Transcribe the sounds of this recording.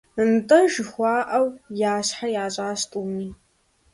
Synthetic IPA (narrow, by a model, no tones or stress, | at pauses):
ɨntʼɐʒxʷaːʔɐwjaːɕħarjaːɕʼaːstʼuːmiː